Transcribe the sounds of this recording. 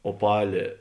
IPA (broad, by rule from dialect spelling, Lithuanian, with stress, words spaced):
oːˈpɑːlʲeː